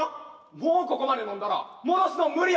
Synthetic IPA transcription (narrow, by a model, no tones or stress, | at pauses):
moːkokomanenõnd̪aɾa̰monosɨnomɯɾʲi